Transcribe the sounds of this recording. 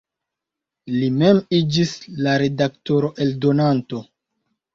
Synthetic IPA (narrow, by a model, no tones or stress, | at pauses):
lime̞mid͡ʒislaɾe̞dak̚to̞ɾo̞ʔe̞ldo̞nanto̞